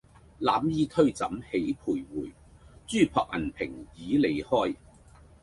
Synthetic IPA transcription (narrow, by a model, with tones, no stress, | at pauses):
laː˨˥mjiː˨˥t̪ʰɵ˥ɥt͡sɐ˨˥mhe˨˥jpʰuː˨˩jwuː˨˩j | t͡ʃyː˥pʰɔː˧k̚ʔɐ̰˨˩npʰɪ˨˩ŋjiː˨˥le˨jhɔː˥˩j